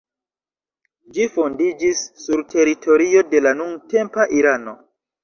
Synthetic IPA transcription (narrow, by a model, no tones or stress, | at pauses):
d͡ʒifo̞ndid͡ʒisːuɾtʰe̞ɾitʰo̞ɾio̞de̞lanuŋɡte̞mpaʔiɾano̞̰